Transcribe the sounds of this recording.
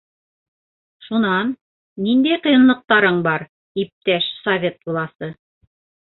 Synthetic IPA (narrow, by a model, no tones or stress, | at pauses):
ʃunɑnː | ind̪æjqɤ̆jɤ̆nlˠɤ̆q̚t̪ɑɾɤɴbɑɾ | ip̚t̪æʃsɐvʲe̞t̪̚bulˠɑsɤ